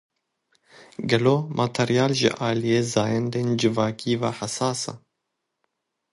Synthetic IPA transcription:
ɡɛloːmʔat̪ʰɛɾjaːlʒɪ̰ʔaːlijeːzaːjɛnd̪eːnd͡ʒɨvaːkiːvaħasaːsa̰

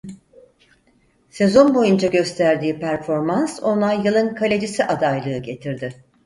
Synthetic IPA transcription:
se̞zo̞nbo̞jund͡ʒaɟø̞st̪ʰæɾd̪iːpʰæɾfo̞ɾmanso̞nˠajːɯlˠɯnkʰalʲed͡ʒisiʔad̪ajlˠɯːɟe̞t̪ʰiɾd̪ɪ

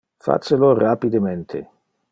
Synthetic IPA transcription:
fa̰t̪selorapid̪ement̪ʰḛ

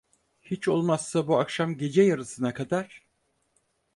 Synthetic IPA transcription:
hit͡ʃo̞lˠmasːabuakʃamɟe̞d͡ʒɛjaɾɯsɯnakʰad̪aɾ̥

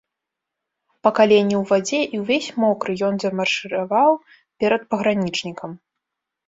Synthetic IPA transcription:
pɐkalʲenʲːɛwvad͡zʲɛʔiwvʲesʲmɔkɾɨjɔnzʲɐmɐrʂɨɾavaw | pʲɛɾɐt̪̚pɐɣɾanʲit͡ʂnʲikɐm

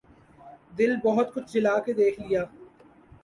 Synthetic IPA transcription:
d̪ɪlbɔɦʊt̪kʊt͡ʃʰd͡ʒɪlaːked̪eːkʰlijaː

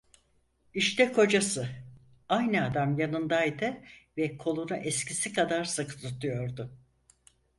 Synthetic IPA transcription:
iʃt̪ʰɛkʰo̞d͡ʒasɯ | ajnɨad̪amjanɯnd̪ajd̪ɯvɛkʰo̞lˠunuʔɛscisikʰad̪aɾsɯkɯ̥t̪ut̪ʰujo̞ɾd̪ʊ

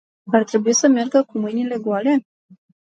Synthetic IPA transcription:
art̪ɾe̞buisəmerɡəkumɨjnile̞ɡwale̞

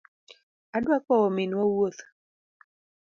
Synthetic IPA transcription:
adwakɔɔmɪnwɔwot̪

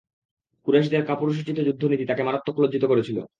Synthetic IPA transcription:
kuɾaʃ̬d̪eaɾkapuɾoʃ̬it͡ɕit̪ːod͡ʑud̪ʱːonit̪it̪akemaɾat̪̚t̪ːokʰːolodd͡ʑʱit̪okoɾet͡ɕʰilo̰

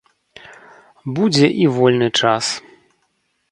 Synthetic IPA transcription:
bud͡zʲɛʔivɔlʲnɨt͡ʂas

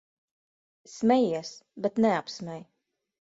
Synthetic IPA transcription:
smʲɛjiɛsbɛt̪nɛapsmʲɛj

